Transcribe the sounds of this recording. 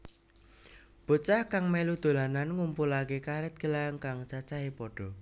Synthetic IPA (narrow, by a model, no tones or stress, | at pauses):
b̥o̤t͡ʃahkaŋmelud̪̥o̤lananŋumpulakekaɾɛt̪̚ɡ̥əlaŋkaŋt͡ʃat͡ʃaɦepɔɖ̥ɔ̤